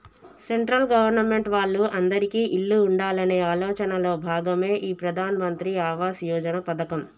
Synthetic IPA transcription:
seɳʈɾɐlɡɐʋɐɾnɐme̞ɳʈʋaːɭːuʔɐnd̪ɐɾikiːʔiɭːuːɳɖaːlɐne̞ːaːlɔːt͡ʃɐnɐlo̞ːbʱaːɡɐme̞ːʔiːpɾɐd̪ʱaːnɐmɐnt̪ɾiaːʋaːsjɔːd͡ʒɐnɐpɐd̪ɐkɐm

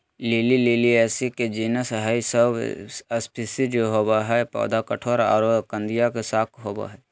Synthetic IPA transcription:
liːliliːliɛːsiked͡ʒiːnəsɦaisəbəspʰɪsid͡ʒoɦoːbaɦɛpɔ̰ːd̪ʱakəʈʰoːɾa̰ːɾod̪kə̃nd̪ijakesaːkʰɦoːba̰ɦɛ

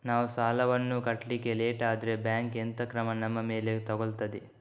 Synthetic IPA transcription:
naːʋusaːlɐʋɐnːukɐʈlikeleːʈaːd̪ɾebjaːŋkent̪ɐkɾɐmɐnɐmːɐme̞ːlet̪ɐɡoɭt̪ɐd̪e

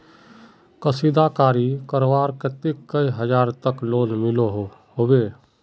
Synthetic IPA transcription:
kəsid̪akaːɾikəɾʋaːɾket̪ɪkːəiɦəd͡ʒaːɾt̪əkloːlmɪloɦɦoːbeː

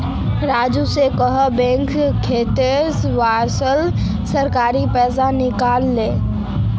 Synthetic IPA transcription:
ɾaːd͡ʒusekəɦəbɛ̃ŋkkʰːet̪esʋaɾsəl | səɾkaɾipɛːsanɪkalːe

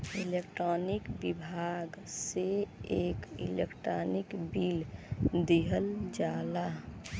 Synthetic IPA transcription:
ilekʈɾɔnikbibʱaɡseekḭlḛkʈɾɔnikbild̪eɦəld͡ʒala

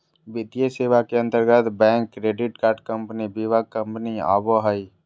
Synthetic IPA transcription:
bɪt̪ijəseːʋakeə̃nt̪əɾɡət̪bɛ̃ːŋkːɾeːɖɪʈkaːɾʈkə̃mpnibiʋaɡ̚kə̃mpnia̰ːboɦai

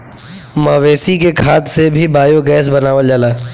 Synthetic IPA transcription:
mɐːʋeːsikekʰaːt̪sebʱibaːjoɡɛːsbɐnaːʋəld͡ʒəlaː

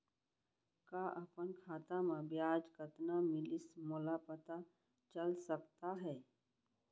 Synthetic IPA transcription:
kaːʔɐpənkʰaːt̪amẽbjaːd͡ʒkət̪namɪlɪsmʊlapət̪a | t͡ʃəlsɐkt̪aɦɛː

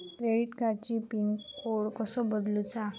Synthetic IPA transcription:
kɾeɽiʈkaɾt͡ɕipinkoɽkɔsɔbəd̪lut͡sa

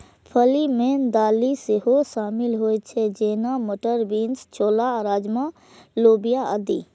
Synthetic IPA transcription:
pʰəlimeːnd̪aːliseɦoʃaːmɪlɦoːet͡ʃʰɛd͡ʒeːnamoʈəɾbiːnst͡ʃʰoːlaɾaːd͡ʒma | loːbijaəd̪ḭ

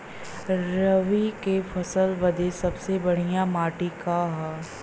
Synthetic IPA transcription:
ɾɐʋikefʰɐsəlʋɐd̪esɐbsebɐɽ̤ijamaːʈikaɦaː

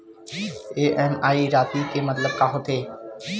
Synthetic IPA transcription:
eːʔɛːmaːiɾaːt̪ikemɐt̪ləb̚kaɦot̪ʰeː

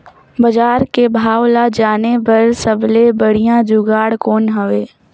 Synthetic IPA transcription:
bɐd͡ʒaːɾkebʱaːwlad͡ʒaːnebɐɾsəblebəɽ̤ijãd͡ʒʊɡaːɽkoːnɦəʋeː

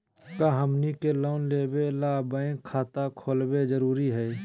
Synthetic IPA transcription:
kaɦəmnikeloːnleːbelaːbəẽkʰaːt̪akʰoːlbed͡ʒəɾuːɾiɦɛː

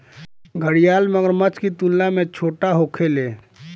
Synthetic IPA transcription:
ɡʱəɽijaːlməɡəɾmət͡ʃkit̪ulːamẽt͡ʃʰoːʈaɦoːkʰeleː

